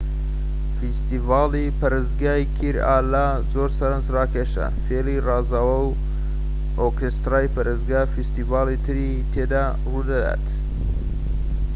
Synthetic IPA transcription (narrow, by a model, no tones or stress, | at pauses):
fist̪ivaːlipɐɾɨzɡaːjkʰiɾaːla | zoɾsɐɾənzrɑːkʰeʃɐ̰feːlirɑːzawɐw | okest̪ɾaːjpɐɾezɡaːfist̪ivaːlit̪ʰɨɾi | t̪ʰeːd̪a | ruːd̪ɐd̪a̰ːt̪